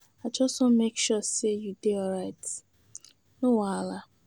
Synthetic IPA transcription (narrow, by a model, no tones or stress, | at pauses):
at͡ʃɔsomekʃusejudeɔɾaɪt | nowaala